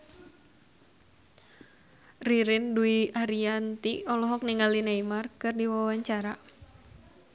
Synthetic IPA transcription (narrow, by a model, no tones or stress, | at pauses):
riɾɪnduiaɾiant̪iɔlɔɦɔk̚niŋalinaimarkɨrdiwawaɲt͡ʃaɾa